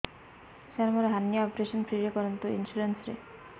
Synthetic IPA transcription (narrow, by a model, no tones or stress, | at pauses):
saɾmoɾeɦanːijaɔpɾeʃonpɾiɾekɔɾont̪oinsuɾensɾe